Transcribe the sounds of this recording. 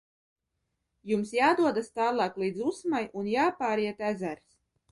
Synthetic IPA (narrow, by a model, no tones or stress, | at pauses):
jumsjaːd̪uɔd̪ast̪aːlˠɑːklˠiːd̪zusmajunjaːpaːɾiɛt̪æzæɾs